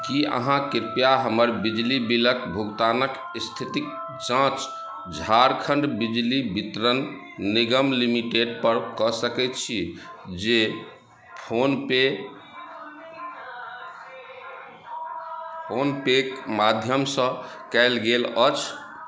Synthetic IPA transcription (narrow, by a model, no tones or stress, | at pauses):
kiə̰ɦãkiɾpijaɦəməɾbid͡ʒlibiləkbʱuɡt̪anək | st̪ʰit̪ik̚ | t͡ʃãt͡ʃ | d͡ʒʱaɾkʰəɳɖbid͡ʒlibit̪ɾənː | iɡəmlimiʈeɖpəɾkɔsəkɛt̪t͡ʃʰid͡ʒe | pʰonpe | pʰonpekmad̪ʱjəmsə̃ | kɛɪlɡelət͡ʃʰ